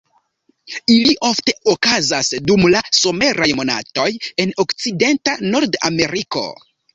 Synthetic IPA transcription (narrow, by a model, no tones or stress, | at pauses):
iliʔo̞fte̞okazasdumlaso̞me̞ɾʔajmo̞na̰to̞je̞no̞kt͡side̞ntano̞ɾda̰me̞ɾiko̞̰